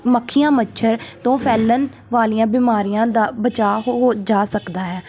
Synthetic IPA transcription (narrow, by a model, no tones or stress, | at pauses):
məkʰːijãːmət͡ʃʰəɾt̪õːpʰɛːlən | ʋaːliːãːbɪmaːɾiːjãːd̪aːbət͡ʃaːɦoɦoːd͡ʒaːsəkd̪aːɦɛː